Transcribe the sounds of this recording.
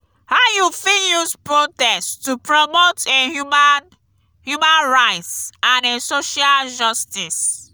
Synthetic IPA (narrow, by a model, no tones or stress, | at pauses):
hajufijuspɹotɛsttupɹɔmotemn | hjumãnɹaɪtsãnesoʃald͡ʒɔstis